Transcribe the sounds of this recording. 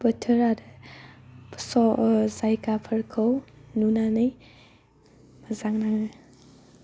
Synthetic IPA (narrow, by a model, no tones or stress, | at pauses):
bətʰəɾadə | psɔzajkapʰəɾkʰəwnunanɯj | məzaŋnaŋɯ